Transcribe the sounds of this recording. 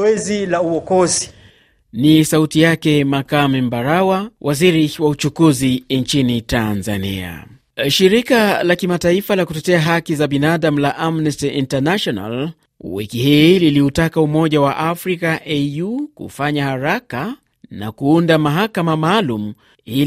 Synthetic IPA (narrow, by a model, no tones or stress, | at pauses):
ɛzilauwɔkɔzi | nisautijakɛmakamimbaɾawawʔaziɾiwaut͡ʃukuzint͡ʃinitanza̰nḭa̰ | ʃiɾikalakimataifalakutɛtɛaɦakizaɓinaaɗam̩laʔamnɛstiʔintanaʃɔna̰l | wḭkihililiutakaumɔʄawaʔafɾikaʔejukṵfaɲahaɾaka | na̰kuundamaɦakamamaːlum̩ | i